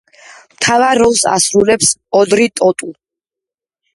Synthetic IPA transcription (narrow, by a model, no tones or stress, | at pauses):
mt̪ʰavaɾːɔlˠsa̰sɾulɛpsɔd̪ɾit̪ʼɔt̪ʼu